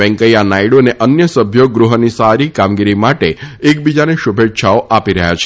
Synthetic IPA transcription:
ɛ̃ŋkəjanaiɽoneʔənjəsəbʱjoɡɾuɦənisaɾikamɡiɾimaʈeek̚bid͡ʒaneʃubʱetːʃʰaoʔapiɾəɦja̰t͡ʃʰe

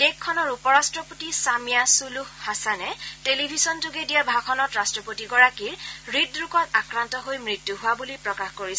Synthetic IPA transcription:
d̥ekʰːɔnɔɹupɔɹastɹɔpotisamijasuluhːasanɛtelibʱisɔntuɡedijabʱakʰɔnɔtɹastɹɔpotiɡɔɹakiɹɹidɹukɔtakɹantɔɦojmɹitjuɦʊwabulipɹɔkaxkoɹis

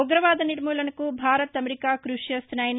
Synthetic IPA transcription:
ɔɡɾɐʋaːd̪ɐniɾmuːlɐnɐkubʱaːɾɐt̪ɐmeɾikaːkɾuʂjɐst̪nɐːjn

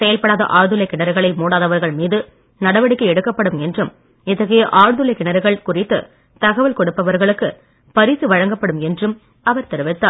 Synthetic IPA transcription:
sɛjɐlpɐɽaːðɐ̰ʔaːɾðɯlɐɪkːɪɳɐɾɯɣɐɭɐɪmuːɽaːðɐʋɐɾɣɐɭmiːðɯ | nɐɽɐʋɐɽɪkːɐɛɽɯkːɐpːɐɽɯmɛndrɯm | ɪt̪ːɐɣɐjɐʔaːɻðɯlɐkːɪɳɐɾɯɣɐɭkʊrɪt̪ːɯ | t̪ɐɣɐʋɐlkɔɽɯpːɐʋɐɾɣɐɭɯkːɯ | pɐɾisɯʋɐɻɐŋɡɐpːɐɽɯmɛndrɯm | ɐʋɐɾt̪ɛɾɯʋɪt̪ːaː

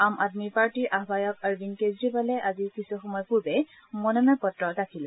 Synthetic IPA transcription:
amadmipaɹtiɹʔaɦbajɔkaɹubinkezɹibalɛʔazikisuxɔmɔjpuɹbɛ | mɔnɔmɛpɔtɹɔdakʰil

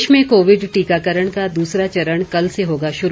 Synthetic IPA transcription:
ʃmẽkoːʋɪɖʈiːkakəɾəɽ̃kad̪uːsɾat͡ʃɐɾəɳ̃kɐlseɦoːɡaʃʊɾ

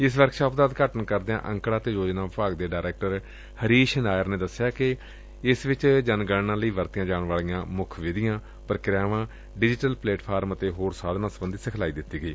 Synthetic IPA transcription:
ɪs̬ʋəɾkʃaːp̚d̪aːd̪kəʈənkəɾd̪eã̰ːʔəŋkɽaːt̪eːɾoːd͡ʒnãːpaːɡd̪eːɖaːɾɛːk̚ʈəɾ | həɾiːʃənaːjəɾnẽːd̪əsːɪjaːkɪ | ɪsʋɪt͡ʃd͡ʒənɡəɽnãːləiːʋəɾt̪ɪjãːd͡ʒaːɳʋaːɭijãːmʊkʰʋɪd̪ɪjãː | pəɾkɾaːʋãː | ɖɪd͡ʒɪʈəlpleːʈpʰaːɾmət̪eːɦoːɾsaːd̪nãːsəbənd̪iːsɪkʰlaːiːd̪ɪt̪ːiːɡəiː

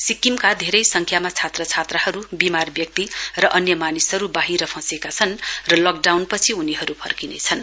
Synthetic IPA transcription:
sikimkad̪ʱeɾʌjsʌŋkʰjamat͡sʰat̪rʌt͡sʰat̪rʌɦʌɾubimarbjʌk̚t̪irʌʔʌnjʌmanisɦʌɾubaɦiɾʌpʰʌ̃sekat͡sʰʌnrʌlʌk̚ɖawnpʌt͡sʰiuniɦʌɾupʰʌ̰rkinḛt͡sʰʌn

